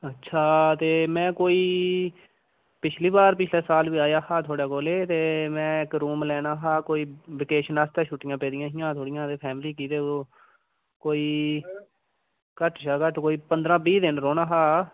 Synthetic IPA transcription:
ətːʃʰaːt̪eːmɛ̃ːkoːiː | pɪt͡ʃʰliːbaːɾpɪt͡ʃʰleːsaːlʋiːaːjaːhaːt̪ʰoːɽaːkoːleːt̪eːmɛ̃ːɪkɾuːmlɛːnaːɦaːkoːiːʋɪkeːʃənaːst̪ɛːʃuːʈɪjãːpɛːd̪ɪjãːɦɪ̃jãːt̪ʰoːɽɪjãːt̪eːpʰɛːmliːkiːt̪eːo | koːiː | kəʈʃaːkəʈkoːiːpənd̪ɾãːbiːd̪ɪnɾoːnaːɦaː

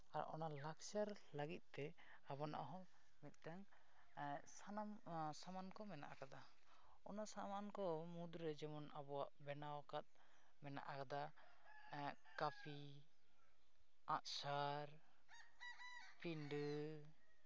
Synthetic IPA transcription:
aɾ̰ʔɔnalaksaɾ | ləɡit̪̚t̪ɛ | abɔna̰ʔɦɔ | mit̪̚t̪aŋ | sanam | samankɔmɛna̰ʔakad̪a | ɔnasamankɔmud̪ɾɛd͡ʒɛmɔnabɔwaʔbɛnawkat̪̚ | mɛna̰ʔakad̪a | kapʰi | aʔsaɾ | pinɖə

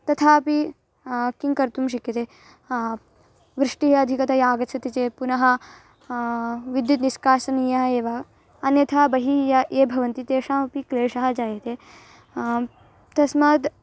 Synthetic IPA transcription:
t̪ɐt̪ʰaːɐpi | kiŋkɐɾt̪umʃ̬ɐkjɐt̪eː | ʋɾɪʂʈiɦeɐd̪ʱikɐt̪ʰɐjaːɡɐt͡ʃʰɐt̪it͡ʃeːpunɐɦɐ̆ | ʋid̪jut̪niskaːsɐnijɐɦɐeːʋɐ | ɐnjɐt̪ʰaːbɐɦijɐʔeːbʱɐʋɐnt̪it̪eːʂaːmɐpikleːʂɐɦɐ̆d͡ʒaːjɐt̪eː | t̪ɐsmaːd̪

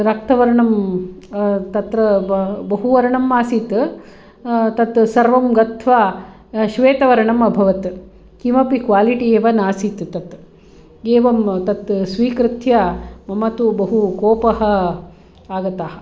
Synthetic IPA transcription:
ɾɐk̚t̪ɐʋɐɾɐɳɐm | t̪ɐt̪ɾɐbɐɦuʋɐɾɐɳɐmːaːsiːt̪ | t̪ɐt̪sɐɾʋɐmɡɐt̪ʰʋaː | ʃʋeːt̪ɐʋɐɾɐɳɐmɐbʱɐʋɐt̪ | kimɐpikʋaːliʈieːʋɐnaːsiːt̪t̪ɐt̪ | eːʋɐmt̪ɐt̪sʋiːkɾɪt̪ʰjɐmɐmɐt̪ubɐɦukoːpɐɦɐ̆ | aːɡɐt̪aːɦɐ̥̆

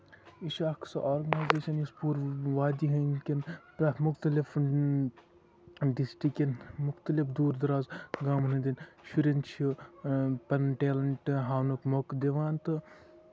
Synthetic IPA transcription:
iʃaːksɐʔoːɾɡɐnaːjzeːʃɐnispuːɾʋaːd̪iɦɐnkʲinpɾɐmʊxt̪ɐlif | ɖisʈikenmʊxt̪ɐlifd̪uːɾd̪ɐɾaːzɡaːmnɐd̪inʃuɾent͡ʃʰi | pɐnʈeːlɐɳʈɦaːnukmokd̪eʋaːnt̪ɨ

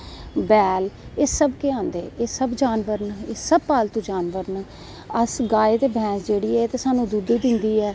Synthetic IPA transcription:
bɛːlɪsəbkeːãːnd̪ḛːeːsəbd͡ʒaːnʋəɾnɪsəb̚paːlt̪õːd͡ʒaːnʋəɾn | əsɡaːeːt̪eːbʱɛ̃ːsd͡ʒeːɽiːɛːt̪eːsaːnũːd̪ud̪ed̪ɪnd̪iːɛː

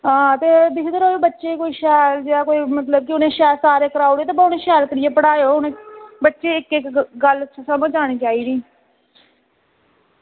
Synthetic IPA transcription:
ɦãːt̪eːd̪ɪkd̪əɾoːoːbətːʃeːkoːiːʃɛːld͡ʒaːkoːiːmət̪ləb̚kɪʊnẽːʃɛːlsaːɾeːkəɾaːoɽeːt̪eːbaʊnẽːʃɛːlkəɾɪjeːpəɽaːjoːɦʊnẽːbətːʃeːɪkɪkɡəlt͡ʃʰːsəməd͡ʒaːɽ̃iːt͡ʃaːiːd̪iː

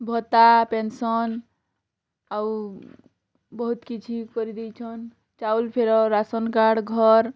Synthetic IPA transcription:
bʱɔt̪apensɔn | au | bəɦut̪kit͡ʃʰikɔɾid̪ɛt͡ʃʰɔn | t͡ʃaulpʰeɾɔɾasənkaɽɡʱɔɾ

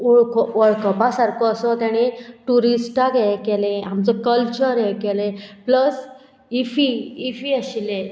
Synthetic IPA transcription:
uɭkɔʋəɭkəpasaɾkɔəsɔt̪jãɽ̃eʈuɾisʈakɛkɛlẽamt͡sɔkəlt͡ɕəɾɛkɛlepləs | ifiːfiəɕile

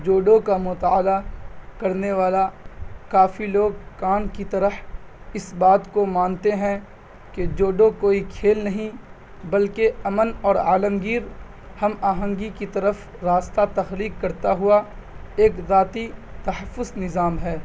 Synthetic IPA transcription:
d͡ʒoːɖõkamʊt̪aːlakɐɾneʋaːlakaːfiloːɡ̚kaːnkit̪ɐɾəh | ɪsbaːt̪komãːnt̪eɦɛ̃ | ked͡ʒoːɖokoːikʰeːlnɐɦĩ | bɐlkeɐmənɔːɾa̰ːləmɡiːɾ | hɐmaːɦə̃ŋɡikit̪ɐɾəf | ɾaːst̪at̪ɐxliːkːɐɾt̪aɦʊa | eːkzaːt̪it̪ɐhəfːʊznɪzaːmɦɛː

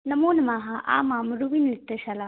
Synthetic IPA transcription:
nɐmoːnmaːɦaʔa̰ːmaːmɾuʋinlit̪ːɐɕala

